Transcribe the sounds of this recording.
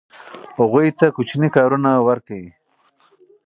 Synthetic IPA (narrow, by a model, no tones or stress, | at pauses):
hoɣujt̪akʊt͡ʃnikɑːɾunawaɾkawi